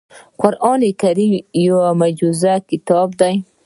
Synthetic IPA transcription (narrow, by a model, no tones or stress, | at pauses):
qʊɾʔɑːnekaɾijowamad͡ʒuzakɪt̪ɑb̚d̪aj